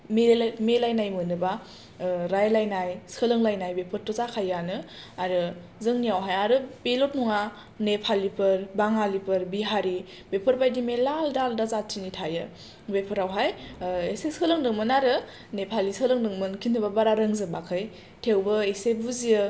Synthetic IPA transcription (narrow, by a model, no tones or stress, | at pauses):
memelajnajmɯnɯba | ɾajlajnajsɯlɯŋlajnajbepʰɯɾtɔzakʰajːanɯ | aɾɯ | zɯŋnijawɦajaɾɯbelot̚nuŋa | nepʰalipʰɯɾbaŋalipʰɯɾbiɦaɾi | bepʰɯɾbajdimelaldaldazatʰinitʰajɯ | bepʰɯɾawɦajeseskʰɯlɯŋdɯŋmɯnaɾɯ | nepʰalisɯlɯŋdɯŋmɯnkʰinɯbabaɾaɾɯŋzɯbakʰɯj | tʰewbɯesebuziɯ